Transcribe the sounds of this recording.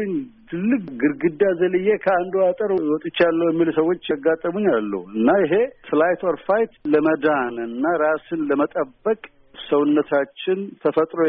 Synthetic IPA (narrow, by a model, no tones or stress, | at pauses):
ɨɲːt̪ʰɨlːɨk̚ʼɡɨɾɡɨd̪ːazəlɨjːekʰəand̪uat̪ʼəɾwɔt̪ʼɪt͡ʃːalːəwjɛmːilsəwːot͡ʃːɡat̪ʼːəmuɲːalːə̰huɨnːajɪɦe̞flajt̪ɔɾfajt̪ləməd̪anɨnːaɾasɨnləmət̪ʼəbːəkʼ | səwʊnːət̪ʰat͡ʃːɪnt̪ʰəfət̪ʼɾo